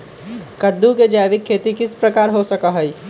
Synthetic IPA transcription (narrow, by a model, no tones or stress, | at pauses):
kɐd̪ːuked͡ʒaːjʋɪkʰːeːt̪ikɪspɾɐkaːɾɦosɐkaɦɛi